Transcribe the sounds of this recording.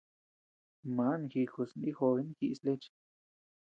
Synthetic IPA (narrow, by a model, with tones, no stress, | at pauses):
mã˨˦nxi˧xu˧˨sni˦xo˧i˦n˦xi˧sle˦t͡ʃ